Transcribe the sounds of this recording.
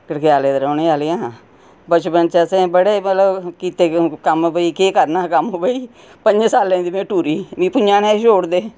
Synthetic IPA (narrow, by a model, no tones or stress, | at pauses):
kəɽkjaːleːd̪əɾõːneːaːlːjãː | bət͡ʃpənt͡ʃɛsẽːbəɽeːmət̪ləbkiːt̪eːkəmbəiːkeːkəɾnaːkəmobəiː | pəɲd͡ʒsaːlẽːd̪imẽːʈuːɾiːmĩːpʊnd͡ʒãːnẽːʃoːɽd̪eː